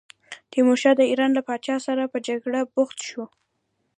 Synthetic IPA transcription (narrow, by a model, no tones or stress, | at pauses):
t̪emoʃɑd̪əiɾɑnlapɑt͡ʃɑsaɾapəd͡ʒaɡɽabʊxt̪ʃu